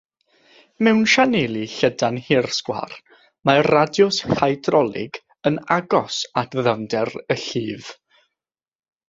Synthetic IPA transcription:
mɛwnʃanelˠiɬədanhɪrskwa̰r | maradjʊshajdrɔlˠɪ̰ɡ | ənaɡɔsatðəvndɛrəɬiːv

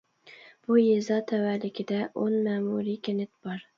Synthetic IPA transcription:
b̥ʊjezɒt̪ʰavalɪkʲʰɪd̪aʔonmaːmuɾikʲʰenɪt̪b̥ɒɾ

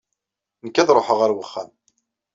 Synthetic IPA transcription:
nəkːæðɾˤoħəʁæɾwəχːæm

